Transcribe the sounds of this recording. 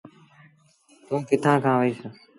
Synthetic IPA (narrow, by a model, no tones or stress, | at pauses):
t̪õːkɪt̪ʰãːkʰãːʋəiːsəː